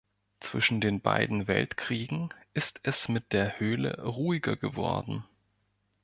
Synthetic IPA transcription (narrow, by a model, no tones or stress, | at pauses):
t͡sv̥ɪʃn̩deːnba̰ɪdn̩vɛ̰ltkʁ̥iːɡŋ̩ʔɪstʰɛsmɪt̚d̥eːɐhøːlə̰ʁuːɪɡɐɡəvɔ̰ɐdn̩